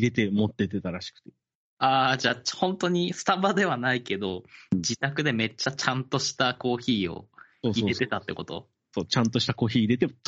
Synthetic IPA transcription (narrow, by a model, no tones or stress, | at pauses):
iɾe̞t̪̬e̞mot̪ːe̞t̪e̞t̪aɾaɕi̥kɯ̟̥t̪e̥ | aːd͡ʑaːhõ̞nt̪o̞ɲ̟isɨ̥t̪abad̪e̞β̞anaike̞d̪o̞d͡ʑit̪akɯ̟d̪e̞me̞t͡ɕːat͡ɕãnt̪o̞ɕi̥t̪ako̞ːçiːo̞̰ | oːsioɾe̞t̪e̞t̪at̪ːe̞̰ko̞t̪o̰ | soːt͡ɕãnt̪o̞ɕi̥t̪ako̞ːçiːɾe̞t̪et̪